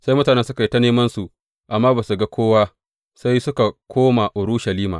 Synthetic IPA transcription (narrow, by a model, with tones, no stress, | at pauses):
sa˦jmʊ˦taː˨nɛ˦nsʊ˦ka˨ji˦tɐ˦neː˦mɐ˦nsu˨ | ʔa˨mːaː˦baː˨su˨ɡa˦kʷoː˦wa˦ | sa˦jsʊ˦ka˨kʰʷoː˦ma˨ʔʊ˨ɾʊ˦ʃɐ˨liː˦ma̰ː˨